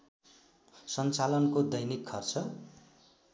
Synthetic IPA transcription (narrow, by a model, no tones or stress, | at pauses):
sʌnt͡salʌnkod̪ʌjnikʰːʌrt͡sʰʌ